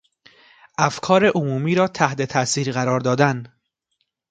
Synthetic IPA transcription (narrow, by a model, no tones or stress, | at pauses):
ʔæfkʰɒːɾe̞ʔomuːmiːɾɒːt̪ʰæht̪e̞t̪ʰæsiːɾɣæɾɒːɾd̪ɒːd̪æn